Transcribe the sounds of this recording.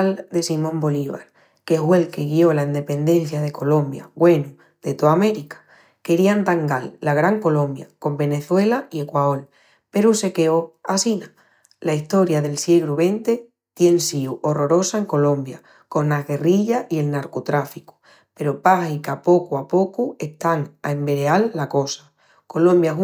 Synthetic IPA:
ld̪e̞simõ̞mbo̞liβa̰ɾ | keɦwe̞lke̞ɣio̞laind̪e̞pe̞nd̪e̞n̟θjað̞e̞ko̞lõ̞mbja̰ɣwe̞nu | ð̥e̞t̪oame̞ɾikḁ | ke̞ɾiant̪aŋɡalːaɣ̞ɾaŋko̞lõ̞mbja̰ko̞mbe̞ne̞θwe̞laie̞kwaol | pe̞ɾuse̞keoasina | laiht̪o̞ɾjaðe̞lsjeɣɾuβe̞nt̪e̞ | t̪je̞nsiuʔo̞ro̞ɾo̞sae̞ŋko̞lõ̞mbja | ko̞naɣe̞riʎaʔie̞lnaɾko̞t̪ɾafiku̥ | pe̞ɾopaxikapo̞kuapo̞kue̞ht̪aŋaembe̞ɾealːako̞sḁ | ko̞lõ̞mbja

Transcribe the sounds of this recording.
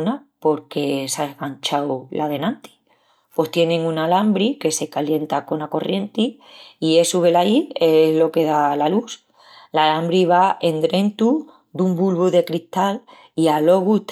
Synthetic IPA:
napo̞ɾke̞saeɣant͡ʃawlʔað̞e̞nãnt̪i̥ | pwo̞st̪je̞nẽ̞ŋunalambɾike̞se̞kalje̞nt̪ako̞nako̞rje̞nt̪i | ie̞suβe̞laie̞zlo̞ke̞ðalalus | lalambɾiβ̞ae̞nd̪ɾẽ̞nt̪u | d̪umbulβuðe̞kɾiht̪al | ialo̞ɣut̪

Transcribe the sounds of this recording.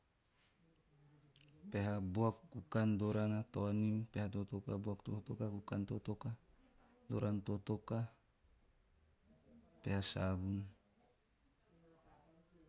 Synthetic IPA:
peɦabuakːukandoɾanat̪ɔnimpeɦat̪ot̪okabuakt̪ot̪okakukant̪ot̪oka | doɾant̪ot̪oka | peɦasabun

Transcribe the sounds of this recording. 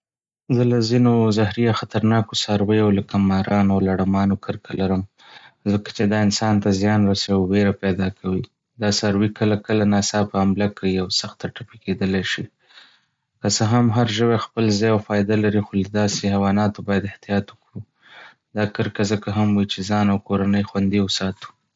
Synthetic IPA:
zəlazinozahɾijaxat̪aɾnɑkosɑɾwəjawlakamɑɾɑnawlaɽamɑnokʰəɾkʰalaɾəm | zəkḁt͡ʃed̪ɑɪnsɑnt̪azjɑnɾasawiweɾapɛd̪ɑkʰawi | d̪ɑsaɾwikəlakəlanɑsɑpəhamlakiawsaxt̪aʈapiked̪əlajʃi | kasəɦamɦaɾʒəwexpəlzɑjawfɑjd̪alaɾixolad̪ɑseɦawɑnɑt̪obɑjad̪ɪht̪ijɑt̪wəkwu | d̪ɑkəɾkazəkaɦamwit͡ʃezɑnawkoɾanəjxwand̪iwʊsɑt̪u̥

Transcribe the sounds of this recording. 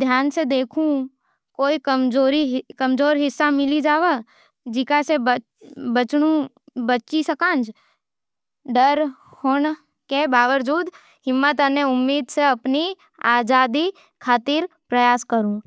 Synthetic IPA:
d̪ʱjaːnsed̪eːkʰũ | koːikəmd͡ʒoːɾikɐmd͡ʒoːɾɦɪsːamɪlid͡ʒaːʋə | d͡ʒɪkaseb | bət͡ʃɽũ | bət͡ʃisɐkãːnd͡ʒ | ɖəɾ | hoːɳ | kebaːʋəɾd͡ʒuːd̪ | ɦɪmːət̪əneʊmːiːd̪seɐpni | aːd͡ʒaːd̪i | kʰaːt̪ɪɾpɾɐjaːskəɾũː

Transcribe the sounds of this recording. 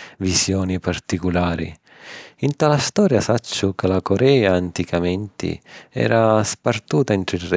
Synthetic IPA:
visjɔːnipart̪ikulaːɾḭ | int̪alast̪ɔːɾjasat͡ʃːʊkɪlakɔɾɛːaːnt̪ikʰamɛnt̪ḭɛ̰ːɾaspart̪uːt̪aɛnt̪ɾirɛ

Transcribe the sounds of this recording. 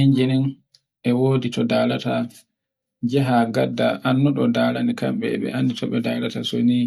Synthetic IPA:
iɲd͡ʒinin | ʔɛwoːditɔdaːlata | d͡ʒɛɦaɡadːa̰ʔanːɔɗɔdaːlanikamɓɛɓɛ̰ʔanditʰɔɓɛdaːlatasoni

